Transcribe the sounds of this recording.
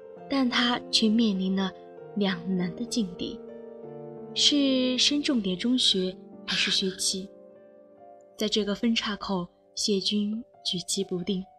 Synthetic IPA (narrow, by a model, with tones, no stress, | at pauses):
t̪a˥˩nt̪ʰa˥t͡ɕʰɛ˥˧mjɛ˥˩nli˧˥nlə˧ | ljɑ˨˩ŋna˧˥nd̪ə˧t͡ɕi˥˧ŋt̪ḭ˥˩˦ | ʂɻ̩˥˩ʂə˥nʈ͡ʂʊ˥˩ŋt̪jɛ˨˩nʈ͡ʂʊ˥ŋɕɥɛ˧˥xa˧˥ɪʂɻ̩˥˩ɕɥɛ˧˥t͡ɕʰi˧˥ | t͡sa˥˧ɪʈ͡ʂɤ˥˩ɡə˩fə˥nʈ͡ʂʰa˥˩kʰo˨˩ʊ | ɕjɛ˥˩t͡ɕy˥nt͡ɕy˨˩t͡ɕʰi˧˥pu˧˥t̪i˥˩ŋ